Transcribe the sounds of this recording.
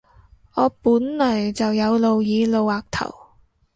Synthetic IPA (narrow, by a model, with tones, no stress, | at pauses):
ɔː˨˧puː˨˥nlɔː˨˩jt͡sɐ˨wjɐ˨˧wlo˨˧wjiː˨˧lo˨˧waː˨k̚t̪ʰɐ̰˨˩w